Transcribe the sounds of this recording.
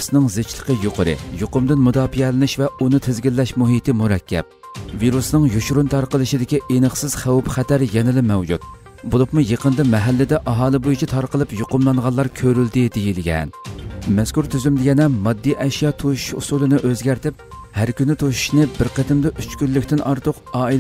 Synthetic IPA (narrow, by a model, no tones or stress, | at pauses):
snɨŋzet͡ʃlˠə̥qʰəjoqʰəɾɨ̰joqʊmd̪ɪnmud̪ɑːpijɛlɪnɪʃvɛunɨt̪ʰɪzɡʲilːɛʃmuɦit̪ɪmuɾɛkʲʰːɛ̰p̚ | viɾusnɨŋjuʃɾunt̪ʰɑɾqəlˠɨʃid̪ɪkʲiʔenəχsɨɪz̥χæwpχæt̪ʰæɾjɛnɪlɪmɛwd͡ʒut̪ | bolˠʊpmujeqənd̪ɨmɛɦælːɪd̪ɛʔɑɦɑːlˠɨbojut͡ʃʰit̪ʰɑɾqəlˠɨpjoqʊmlˠɑŋʁɑlˠːɑɾkʲʰøɾyld̪ɪd̪ejilɡʲɛ̰nmɛskuɾt̪ʰyzymd̪ɪjʲɛnɛmɑd̪ːiʔɛʃjɑt̪ʰoʃu̥ʃṵsulˠɨnɨʔøzɡʲɛɾt̪ɪp̚hæɾkʲynɪt̪ʰoʃu̥ʃnɨbɪɾqət̪ɪmd̪ɛʔyt͡ʃkʲylːykʲt̪ɪnʔɑɾt̪ʰʊqɑːi